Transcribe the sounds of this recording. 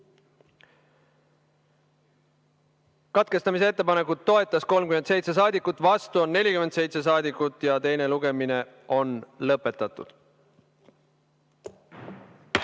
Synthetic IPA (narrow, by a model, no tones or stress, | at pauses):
kɑt̪̚ke̞st̪ɑmis̬eet̪ːepɑne̞kːˑud̪̥t̪ːo̞e̞t̪ːˑɑsko̞lmkyment̪se̞jt̪ses̬ɑːd̪ikːˑut̪ːˑvɑst̪uo̞nːe̞lʲikyme̞nt̪se̞jt̪se̞sɑːd̪ikːˑut̪ːˑjɑt̪e̞jne̞luɡ̥e̞mine̞ | o̞nlɤpːˑe̞t̪ːˑɑt̪ːˑṵd̪̥